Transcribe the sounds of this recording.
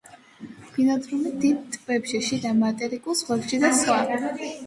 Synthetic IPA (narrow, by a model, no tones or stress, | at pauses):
b̥inɔd̪ɾumid̪id̪̚t̪ʼb̥ɛpʃɛʃid̪amat̪ʼɛɾikʼulˠzʁwɛpʃid̪asχwaɾ